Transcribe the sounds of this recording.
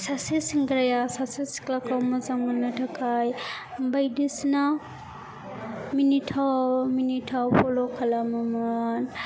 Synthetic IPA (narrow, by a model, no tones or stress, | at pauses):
sasisiŋɡɾajasasisi̥klakawmazaŋmanɯtʰakʰajbajdisna | minitʰaminitʰawpʰɔlɔkʰalamaman